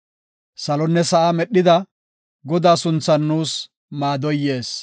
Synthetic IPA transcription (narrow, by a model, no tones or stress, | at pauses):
sɐlɔnːɛsɐʔamɛɗːɪd̪ɐ | ɡɔd̪aːsʊnt͡sːɐnːuːs | maːd̪ɔjːe̞ːs